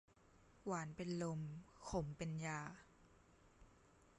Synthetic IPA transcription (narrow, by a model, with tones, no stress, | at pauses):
waː˩˦npe˧nlo˧mkʰo˨˦mpe˧njaː˧˩